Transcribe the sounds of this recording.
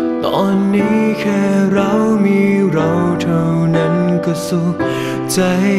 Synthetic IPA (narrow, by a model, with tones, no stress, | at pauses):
t̪ɔː˧˩nːiː˦˥kʰɛː˧ɾa˧˦wmiː˧ɾa˧wt̪ʰə˧wna˦˥nka˧su˧˥ | t͡ɕa˧˦